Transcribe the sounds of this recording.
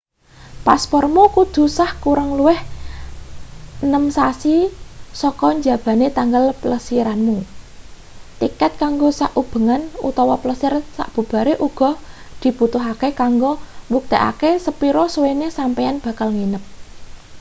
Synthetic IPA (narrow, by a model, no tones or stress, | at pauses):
paspɔrmukud̪̥ṳsahkuɾəŋluwɪh | nəmsasisɔkɔɲd͡ʒä̤b̥ä̤net̪aŋɡəlpləsiɾanmu | t̪ikɛt̪̚kaŋɡosaʔub̥ə̤ŋanṵt̪ɔwɔpləsɪrsa̰ʔb̥ṳb̥a̤ɾeʔuɡ̥ɔ̤ | d̪̥i̤put̪ʊɦakekaŋɡobuk̚t̪eʔa̰kesəpiɾɔswenesampɛjanb̥ä̤kalŋinəp̚